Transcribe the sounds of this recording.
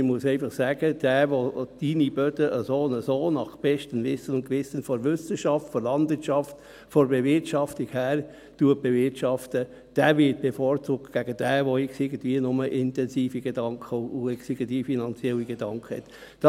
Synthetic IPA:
ɪmuəsɛɪfɑχsæːɡ̥əd̥æːʋod̥inib̥œdəʔəsoːnəsoːnɑχb̥ɛʃtənʋɪsənʊntkʋɪsənfɔɾʋʏsəʃɑftfɔɾlɑndvɪːtt͡ʃɑft | fɔɾbɛvɪɾtʃɑftikhæːɾ | tuət̚b̥evɪtʃɑftə | d̥æːʋɪt̚b̥efoːɾt͡suːk̚tɡ̥æɡəd̥æːʋoɪksɪɡən̩tviːənʊməʔɪntɛnsiːfiɡ̥edɑŋkʰəʊɛksɪɡəntiːfinɑnt͡sjɛlːiɡed̥ɑŋkχəhɛ̰t | d̥ɑ

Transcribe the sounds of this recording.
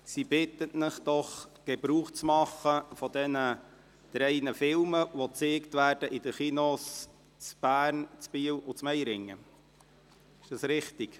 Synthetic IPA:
sibɪt̪ətnɪχd̥̪ɔχɡ̥ebɾuːχt͡smɑχːəfɔd̪ɛnə | t̪ɾɛɪnəfɪlməʋot͡seːkt̪ʋæːɾd̥əʔid̥əχinos | t͡sb̥æːɾnt͡spiːwʊt͡smɛjɾɪŋːə | ɪʃd̥ɑsɾɪχt̪iɡ̥

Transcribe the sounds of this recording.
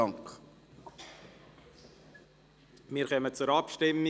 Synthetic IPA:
ɑŋk | mɪːɾχœmət͡sʊɾɑpʃtɪmi

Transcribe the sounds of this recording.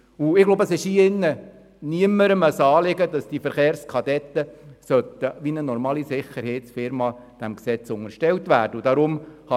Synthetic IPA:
uɪɡ̥loʊbəəsɪʃiɪnːə | niəmːəɾəməsɑːlɪɡədɑsd̥ifəɾχeːɾskʰɑd̪ɛt̪ːəsœt̪əʋinənɔɾmɑːlisɪχəɾhɛɪtsfɪɾmɑd̥æmksɛt͡sʊŋəɾʃtɛltʋæːɾd̥əud̥ɑɾʊmhɑ

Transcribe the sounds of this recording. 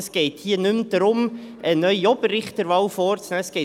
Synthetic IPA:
sɡ̥ɛːthiːənʉmd̥ɾʊm | ʔənœʏjɔb̥əɾɪχtdəɾvɑwfɔɾtt͡snɛsɡ̥ɛː

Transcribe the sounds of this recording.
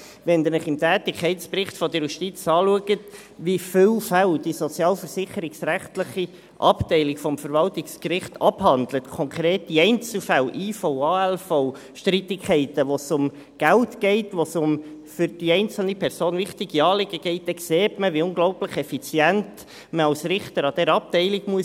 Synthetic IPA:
ʋɛnd̪ənəχɪmtæːt̪ɪkʰχɛɪtsprɪχtfɔd̪əɾjuʃtit͡sɑːluəɡət | ʋifɪlfældisɔt͡sjɑːlfəɾsɪχəɾɪksræχtləχi | ʔɑptɛɪlɪkfɔmfəɾvɑltɪkskɾɪχt̪ɑphɑnd̪lətkʰɔŋkʰɾeːt̚d̥iɛɪnt͡sl̩fælʔiːfɔʊɑːɛlfɔʊ | ʃtɾit̪ɪkʰχɛɪtəʋosʊm | ɡ̥æltɡ̥ɛɪtʋosʊmfʏɾd̥iɛɪnt͡sl̩nipʰɛɾsoːnʋɪχtɪɡiɑːlɪɡəɡ̥ɛɪt̚d̥̪ɛkseːtməʋiʊŋɡlɔʊpləχɛfit͡sjænt | məɑwsɾɪχt̪əɾɑd̥̪ɛɾɑp̚tɛɪliɡmuə

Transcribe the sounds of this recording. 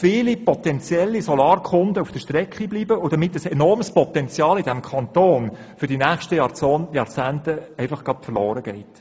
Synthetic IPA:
fɪːlipɔt̪ɛnt͡sjɛlːisɔlɑːɾkʰχʊnd̪əufd̥əʃt̪ɾɛkχibliːbəʊdɑmɪtːəsɛnɔrmspɔt̪ɛnt͡sjɑːlɪdæmkʰɑnt̪oːn | fʏɾdinæːχʃtəjɑt͡soːnjɑɾt͡sæːntəɛɪfɑχɡ̥ɑpfərlɔːɾəɡ̥ɛɪt

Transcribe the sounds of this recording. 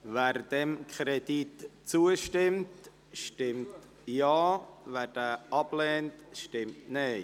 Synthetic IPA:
væːɾd̥ɛmkʰɾɛditt͡suəʃtɪmt | ʃtɪmt | jɑːvæːd̥ɛːʔɑblɛːntʃtɪmtneː

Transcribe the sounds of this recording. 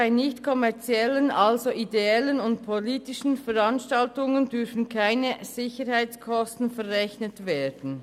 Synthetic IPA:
aɪnɪçtkʰɔmɛɐt͡siɛlənʔalzoʔideɛlənʊntpʰoliːtɪʃn̩fɛɾanʃtaltʊŋəndʏɾfn̩kʰaɪnəz̥ɪçəɾhaɪt͡skʰɔstn̩fɛɾʁɛçnətveːd̥n̩

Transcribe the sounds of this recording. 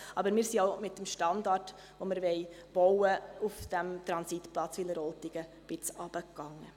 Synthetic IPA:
ʔɑbəɾmɪːɾsioʊmɪt̚dəmʃtɑndɑrt | voməɾvɛɪb̥oʊəufd̥æmt̪ɾɑnsitplɑt͡sʋiləɾɔltiɡ̥ə | b̥ɪt͡sɑb̥əkːɑŋːə

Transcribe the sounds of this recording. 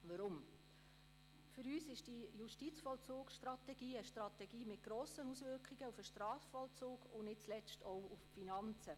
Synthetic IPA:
ʋəɾʊm | fʏɾyːsɪʃd̥ijuʃtit͡sfɔlt͡sʊːkʃtrɑt̪ɛɡ̥iːəʃtɾɑt̪ɛɡ̥iːmɪt̚ɡ̥ɾoːsənusʋʏɾkχiɡəufəʃtrɑːffɔlt͡suːɡʊnɪt̚t͡slɛt͡stʰɔwuffinɑnt͡sə

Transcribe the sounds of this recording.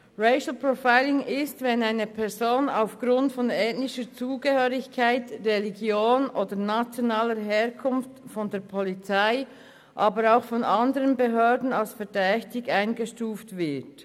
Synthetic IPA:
ʁeɪʃl̩pɹofaɪlɪŋɪstvɛnaɪnəpʰɛɾzoːnaʊfɡ̥ɾʊntfɔnɛːtnɪʃət͡suːɡəhøːʁɪçkʰaɪtʁɛliɡjoːnʔoːdənat͡sjɔnaːləɦɛːɐkʰʊnftfɔndeːɐpʰɔlit͡saɪ | ʔaːbəɾaʊxfɔnɑndəʁənbeɦøːdn̩alsfɛdɛçtɪɡaɪnɡəʃtuːftvɪt

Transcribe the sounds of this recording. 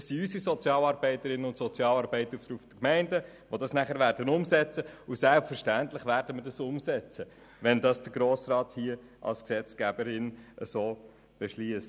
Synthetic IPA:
ssiysisɔt͡sjɑːlɑːɾbɛɪtəɾɪnənʊntsɔt͡sjɑːlɑɾbɛɪt̪əɾutəɾufd̥̪əkmæɪndə | ʋodɑsnæχəɾʋæːɾdənʊmsɛt͡səusælpfəɾʃtænt̪lɪχʋæːɾd̥əməɾdɑsʊmsɛt͡sə | ʋɛndɑsd̥əɾɡɾoːsɾɑːt̪hiə | ʔɑ̰lsksɛt͡sɡ̥ɛbəɾɪnəsoː | b̥ɛʃliəst

